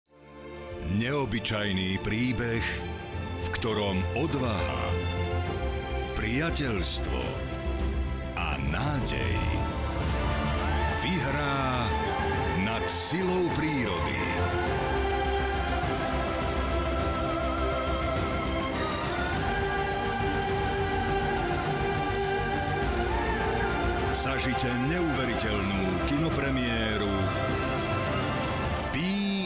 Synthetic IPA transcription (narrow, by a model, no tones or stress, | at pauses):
ɲɛɔbit͡ʃajniːpɾiːbɛx | fkt̪ɔɾɔmɔd̪ʋaɦa̰ | pɾɪacɛʎst̪ʋɔ̰ | a̰naːɟɛ̰j | ʋiɦɾaː | nat̪silɔʊpɾiːɾɔd̪ḭ | zaʒicɛɲɛuʋɛɾicɛʎnuːkinɔpɾɛmɪɛːɾu | piː